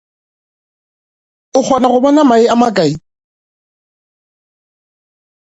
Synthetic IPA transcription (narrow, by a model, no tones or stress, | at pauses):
ʊk͡xʰɔnaɣʊbɔnamaɪamakʼai